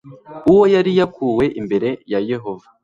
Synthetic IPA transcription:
uwo̞jaɾijakʰuwe̞ʔimbe̞ɾe̞jaje̞ɦo̞va

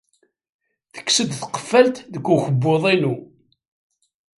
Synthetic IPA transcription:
θə̥kːsəd̪θə̥qə̥fːælt̪ðəkːuçəbːoðˤinu

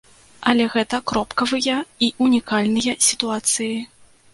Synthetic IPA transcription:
ɐlʲɛɣɛt̪ɐkɾɔpkɐvɨjɐiʔunʲikalʲnɨjɐsʲit̪uat̪sɨji

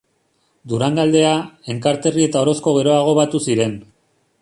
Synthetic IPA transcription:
d̪uɾaŋɡald̪e̞ae̞ŋkaɾt̪e̞rie̞t̪ao̞ɾo̞sko̞ɣe̞ɾo̞aɣ̞o̞βat̪usiɾe̞n

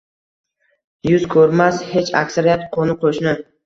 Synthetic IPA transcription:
jʊzkʰɵɾmashe̞t͡ʃʰa̰kʲsaɾijat̪qʰonɪqʰoʃnɪ

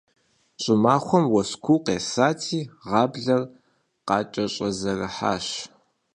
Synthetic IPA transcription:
ɕʼɪmaːxʷɔmwɔskʷʰuːqeːsaːtʰiːʁɑːbɮɐr | qɑːt͡ʃʼɐɕʼɐzɐrɐħa̰ːʃ

